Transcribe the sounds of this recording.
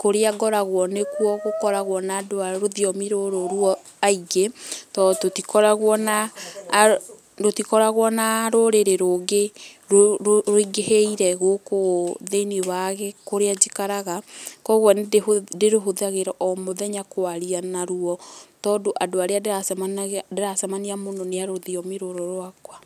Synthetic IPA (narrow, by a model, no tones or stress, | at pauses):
koɾeaɡɔɾaɣwɔnekwɔɣokɔɾaɣwɔnaːdoaɾoðiɔmiɾoɾoɾuɔ | aiɡetɔtotikɔɾaɣwɔna | dotikɔɾaɣwɔnaɾoɾeɾeɾoɡeɾoɾoiɡeheiɾɛɣokoðenewaɣɛkoɾead͡ʒikaɾaɣakɔɣwɛndeɾoɦoðaɣeɾɔʔɔmoðɛɲakoaɾianaɾuɔtɔːdoʔadoaɾeadasandeɾasamaniamonɔneaɾoðiɔmeɾoɾɔɾowakwa